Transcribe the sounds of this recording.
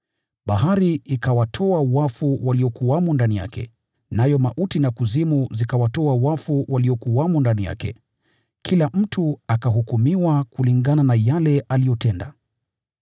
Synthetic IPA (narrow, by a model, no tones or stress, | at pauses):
ɓaɦaɾiʔikawatʰɔawafuwaliɔkuamundanija̰kɛ̰ | najɔmaʔutinakuzimuzikawatɔawafuwaliɔkuwamundanija̰kɛ̰ | kʰilam̩tʰuakaɦukumiwakuliŋɡananajalɛʔalijɔtɛnda